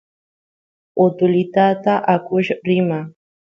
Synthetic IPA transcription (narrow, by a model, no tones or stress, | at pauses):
ʊt̪ʊlɪt̪at̪aʔakʊʃɾɪma